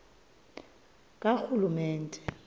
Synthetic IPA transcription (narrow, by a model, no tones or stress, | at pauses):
kʼak͡xulumɛːn̩tʼɛ̥